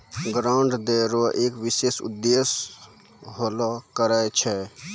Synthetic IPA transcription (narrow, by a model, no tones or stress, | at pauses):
ɡɾaɳɖd̪eɾoʔeːkʋisesṵd̪ːes | ɦolɔkəɾaet͡ʃʰɛ